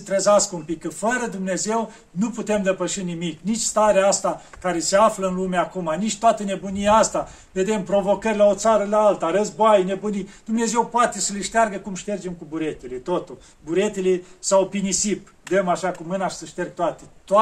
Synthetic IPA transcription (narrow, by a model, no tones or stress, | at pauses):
t̪ɾezaskəumpikːəfəɾəd̪umne̞ze̞w | nuput̪e̞md̪e̞pəʃinimiknit͡ʃʲst̪aɾeaast̪akaɾe̞seafləɨnlumeakumanit͡ʃʲt̪oat̪əne̞bunijeast̪a | ve̞d̪e̞mpɾo̞vo̞kərʲlaot̪saɾəlaalt̪aɾəzboajnebunid̪̥umne̞ze̞wpoat̪e̞səleʃt̪earɡəkumʃt̪e̞rd͡ʒemkubuɾe̞t̪elet̪ot̪ul | buɾe̞t̪elesawpinisip | d̪əmaʃakumɨnaʃi̥səʃt̪erɡ̚t̪oat̪et̪